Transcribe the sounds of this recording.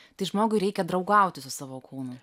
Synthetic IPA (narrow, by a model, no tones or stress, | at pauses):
t̪ɐɪʒmoːɡʊɪɾʲɛɪkʲɛd̪ɾɐʊɡɐˑʊt̪ʲɪsʊsɑːʋoːkʰuːnʊ